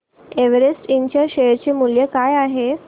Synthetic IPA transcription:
eʋeɾesʈiɲt͡ɕaɕeɾt͡ɕemuljəkajaɦe

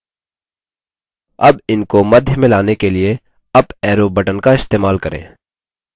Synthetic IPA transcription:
ɐbɪnkomɐd̪ʱjəmɪ̃laːnekelie | ɐbɛːɾobɐʈənkaɪst̪eːmaːlkɐɾḛ̃ː

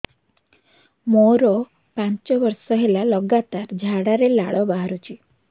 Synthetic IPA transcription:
moɾo | pãɲt͡ʃɔʋɔɾsɔɦelalɔɡat̪aɾd͡ʒʱaɽaɾelaɭɔbaɦaɾut͡ʃʰi

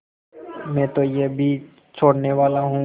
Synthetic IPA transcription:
mɛ̃ːt̪ojebʱi | t͡ʃʰoːɽneʋaːlaɦũː

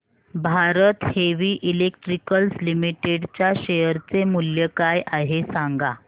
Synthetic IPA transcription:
bʱaɾət̪heʋiːʔilekʈɾikəlslimiʈeɽt͡ɕjaɕejəɾt͡semuljəkajʔaɦesaŋɡa

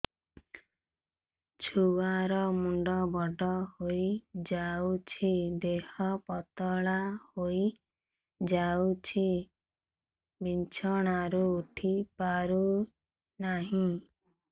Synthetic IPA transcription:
t͡ʃʰuaɾɔmuɳɖɔbɔɖɔhojid͡ʒaut͡ʃʰid̪ehɔpɔt̪ɔɭahoji | d͡ʒawt͡ʃʰi | bint͡ʃʰɔɽ̃aɾuːʈʰipaɾu | naɦĩ

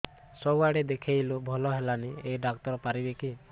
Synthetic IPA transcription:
sɔwaɽed̪ekʰejlubʱɔlɔɦelanieɖak̚t̪ɔɾɔpaɾibeki

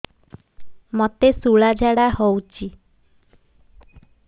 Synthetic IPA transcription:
mot̪esuɭad͡ʒaɽahowt͡ʃʰi

